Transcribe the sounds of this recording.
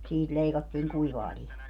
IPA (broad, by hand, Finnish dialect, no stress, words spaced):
siːt leikɑtːiːŋ kuiʋɑː lihɑː